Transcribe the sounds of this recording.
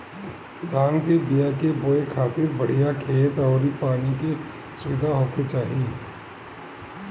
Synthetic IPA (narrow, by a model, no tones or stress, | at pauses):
d̪ʱaːnkebɪjakeboːekʰaːt̪ɪɾbɐɽ̤ijakʰeːt̪ɔːɾipaːnike | sʊʋɪd̪ʱaɦoːkʰet͡ʃaːɦi